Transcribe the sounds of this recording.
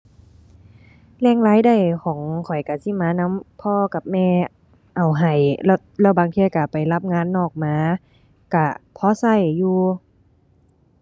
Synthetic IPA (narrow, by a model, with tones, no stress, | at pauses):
lɛː˧˩ŋlaː˨˦˥jda˧˩jkʰɔː˨˦ŋkʰɔ˨˩jka˧˩siː˧˥˨maː˧˥na˧˥˨mpʰɔː˧˥˨ka˧˩p̚mɛː˧˩ | ʔa˨˩wɦa˨˩jlt̪̚lɛː˧˩wbaː˨ŋt̪ʰiː˧˨ka˧˩pa˨˩jla˧˥p̚ŋaː˧˥˨nːɔː˧˩k̚maː˨˧˥ | ka˧˩pʰɔː˧˥˦sa˧˩˨jːuː˧